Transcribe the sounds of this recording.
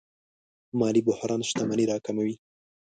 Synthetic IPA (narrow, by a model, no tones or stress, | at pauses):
mɑlibʊhɾʔɑnʃt̪amaniɾɑkamawi